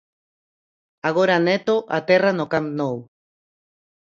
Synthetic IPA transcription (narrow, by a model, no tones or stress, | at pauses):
aɣ̞oɾanet̪oʔat̪eranokamnow